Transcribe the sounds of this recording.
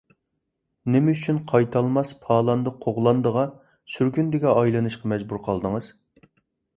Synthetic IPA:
nɪmɪyt͡ʃʰynqʰɑjt̪ʰɑlˠmɑspʰɑːlˠɑnd̪əqʰoʁlˠɑnd̪əʁɑ | syɾɡʲynd̪ɪɡʲɛʔɑjlˠɨnɨʃqʰɑmɛd͡ʒbuɾqʰɑlˠd̪əŋɨz̥

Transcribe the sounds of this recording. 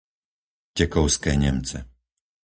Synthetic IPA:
cɛkɔʊskɛːɲɛ̰mt͡sɛ

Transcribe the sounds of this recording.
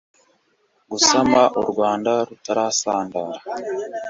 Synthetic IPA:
ɡusamaʔuɾɡwaːndaɾutaɾasaːndaːɾḁ

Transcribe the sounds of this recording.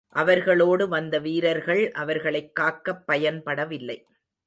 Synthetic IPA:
ʔɐʋɐɾɣɐɭoːɽɯʋɐnd̪ɐʋiːɾɐɾɣɐɭʔɐʋɐɾɣɐɭɐɪkːaːkːɐpːɐjɐnpɐɽɐʋɪlːɐɪ

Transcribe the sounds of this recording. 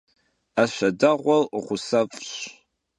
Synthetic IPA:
aʃʷɐdaʁʷɔlχʷʊsafʼɕ

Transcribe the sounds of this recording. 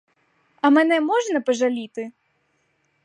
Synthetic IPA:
ɐmɛnɛmɔʐnɐpɐʐalʲit̪ɨ

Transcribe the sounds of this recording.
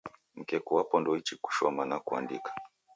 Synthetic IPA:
m̩kɛkuwapɔndɔit͡ʃiku̥ʃɔmanakua̰ndikḁ

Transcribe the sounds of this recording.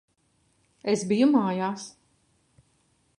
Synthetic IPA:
esbijumaːjaːs

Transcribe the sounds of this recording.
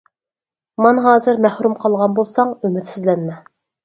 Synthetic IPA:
mɑnɦɑːzɨɾmæhɾumqʰɑlˠʁɑnbolˠsɑŋymɪt̪sɪzlɛnmɛ

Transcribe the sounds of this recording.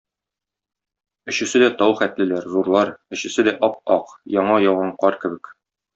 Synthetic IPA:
ɵ̆ɕɘ̆sɘd̪æt̪ɒwχæt̪lɘ̆læɾzuɾlˠɑɾɵ̆ɕɘ̆sɘd̪æʔɒp̚ɒqjɒɴɑjɒwʁɑɴqɒɾkɘ̆bɘk

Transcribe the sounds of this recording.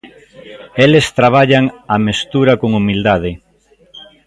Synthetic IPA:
elest̪ɾaβ̞aʎaŋamest̪uɾakoŋumild̪aðe

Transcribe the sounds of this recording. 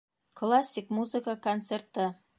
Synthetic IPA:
klˠasʲːikmuzɨkəkont̪sert̪ə

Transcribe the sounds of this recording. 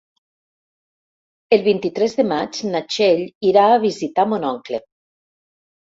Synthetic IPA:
elˠβint̪it̪ɾɛzðemat͡ʃnat͡ʃeʎiɾaːβ̞izit̪amonɔŋkle

